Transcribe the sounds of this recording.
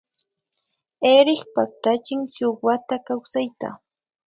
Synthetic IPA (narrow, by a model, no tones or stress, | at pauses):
eɾɪχpak̚t̪at͡ʃɪŋsowat̪akawsajt̪a̰